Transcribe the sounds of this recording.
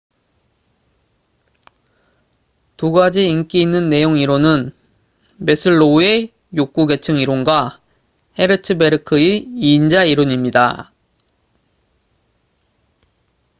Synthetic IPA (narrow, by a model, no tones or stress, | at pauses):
tuɡad͡ʑiːnk͈iːnːɯnːe̞joŋiɾonɯn | me̞sʰɯɭːoe̞ | jok͈̚uɡe̞t͡ɕʰɯŋiɾonɡwa | he̞ɾɯtʰɯbe̞ɾɯkʰɯiiːnd͡ʑaiɾoɲimɲida̰